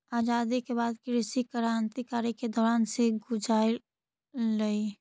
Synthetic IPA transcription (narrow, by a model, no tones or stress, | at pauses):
aːd͡ʒaːd̪ikebaːd̪kiɾɪsikəɾant̪ikaːɾiked̪ɔːɾaːnseɡʊd͡ʒaːi | ləi